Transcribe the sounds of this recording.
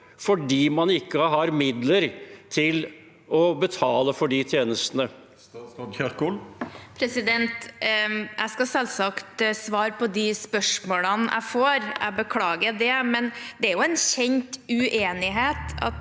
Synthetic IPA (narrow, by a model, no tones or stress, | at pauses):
fɔɖiːmɑnɪkːəɦɑɾmɪd̪ləɾt̪ʰɪl | ɔbət̪ʰɑːləfɔɖit̪ʰjeːnəst̪ənə | pʰɾɛsɪd̪ɛnt̪ | ʔæ̰ɪskɑsɛlsɑkt̪sʋɑːɾpʰɔd̪ɪspœʂmoːlənʔæ̰ɪfoːɾæ̰bəkʰlɑːɡəɖɛmɛnd̪ɛæɾjʊɛnɕɛɲt̪ʉʔeːnɪɦeːt̪ɑ̰t̪